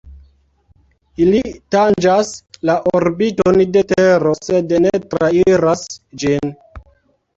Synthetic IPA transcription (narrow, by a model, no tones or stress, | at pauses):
ilitand͡ʒaslaʔoɾbitonde̞teɾose̞dnetɾaiɾasd͡ʒin